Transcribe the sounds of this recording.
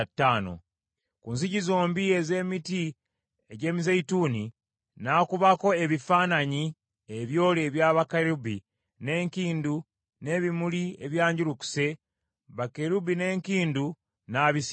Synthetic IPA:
tːaːno̰ | kunz̬iɟizoːmbie̞ze̞ːmiti | eɟe̞ːmizeituːni | nakuβako̞e̞βifaːnaɲi | eβjo̞ːleːβjaːβakeɾubi | neːŋkiːndu | ne̞βimulieβjaːɲɟuɾuku̥se̞ | βakeɾubine̞ːŋkiːndu | naβis

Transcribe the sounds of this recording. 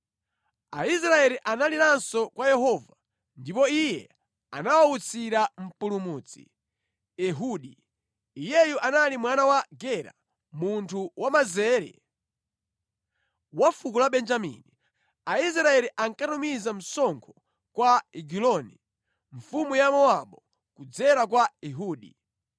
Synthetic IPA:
ais̬ɾaɛliʔanalinansɔkwajɛɦɔva | ndipɔijɛ | a̰nawaut͡sʰiɾam̩pulumuːt͡sḭ | ɛɦuɗiː | jɛjuʔanalimwanawaɡɛɾa̰ | muntʰuwʔamazɛːɾɛ̰ | wafukulaɓɛnd͡ʒamḭni | ais̬ɾaɛliʔaŋkatumizam̩sɔŋkʰɔ̥ | kwaiɡilɔni | ɱ̩fumujamɔaɓɔ | kud͡zɛɾak̬waɛɦuːɗi

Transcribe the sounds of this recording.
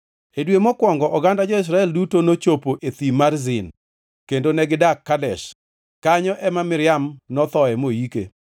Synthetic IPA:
edwemɔkwɔŋɡɔʔɔɡandad͡ʒɔɪs̬ɾaɛldutonot͡ʃopoʔet̪imarzɪn | kendonɛɡɪdakːadɛʃ | kaɲɔʔɛmamɪɾɪamnɔt̪ɔɛmojikḛ

